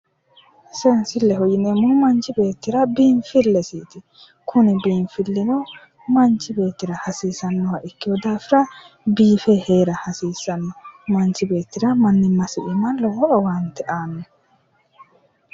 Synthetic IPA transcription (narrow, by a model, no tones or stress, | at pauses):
sɛnsɪlːɛɦɔjɪnemʊmɐnt͡ʃɪbe̞ːt̪ːɪɾɐbiːnfɪlːɛsiːt̪ɪ | kʰʊnɪbiːnfɪlːɪnɔ | mɐnt͡ʃːɪbe̞ːt̪ːɪɾɐhɐsiːsɐnːɔhɐʔɪkːɪwɔd̪aːfɪɾɐ | biːfɛheːɾɐhɐsiːsɐnːɔmɐnt͡ʃːɪbe̞ːt̪ːɪɾɐmɐnːɪmːɐsɪʔɪmɐlɔwɔʔɔwɐnt̪ːɛʔaːnːɔ